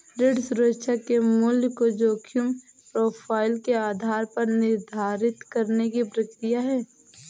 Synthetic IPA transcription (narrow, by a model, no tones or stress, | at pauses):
ɾɪɖsʊɾəkʃʰakemʊljəkod͡ʒoːkʰjʊm | pɾoːpʰaːɪlkeaːd̪ʱaːɾpɐɾnɪɾd̪ʱaːɾɪt̪kɐɾnekibɾɪkt̪ijaɦɛː